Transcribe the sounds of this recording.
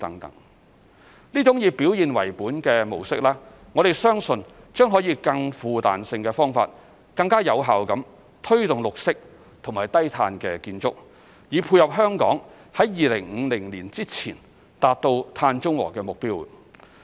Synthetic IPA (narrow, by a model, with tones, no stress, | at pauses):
t̪ɐ̰˨˥ŋt̪ɐ̰˨˥ŋ | liː˥t͡ʃʊ˨˥ŋjiː˧pi˨˥wjiː˨˧nwɐ̰˨˩jpuː˨˥nkɛː˧mo̰˨˩wsɪ˥k̚laː˥ | ŋɔ˨˧ɾe˨˩jsœː˥ŋsɵ˧n | t͡ʃœː˥ŋɦɔː˨˥jiː˨˧kɐ˧ŋfuː˨˧t̪a̰ː˨nsɪ˧ŋkɛː˧fɔː˥ŋfa̰ː˧t̚ | kɐ˧ŋkaː˥jɐ˨˧wɦaː˨wkɐ˨˥m | t̪ʰɵ˥ɥt̪ʊ˨ŋlʊ˨k̚sɪ˥k̚ | t̪ʰʊ˨˩ŋmaː˨˩jt̪ɐ˥jt̪ʰaː˧nkɛː˧kiː˧nt͡sʊ̰˥k̚ | jiː˨˧pʰuː˧jhɐ˨p̚ɦœː˥ŋkɔ̰ː˨˥ŋ | hɐ˨˥jjiː˨lɪ˨˩ŋŋ̩˨˧lɪ˨˩ŋliː˨˩nt͡siː˥t͡sʰiː˨˩n | t̪aː˨t̚t̪o˧wt̪ʰaː˧nt͡ʃʊ˥ŋwɔ̰ː˨˩kɛː˧mʊ˨k̚piː˥w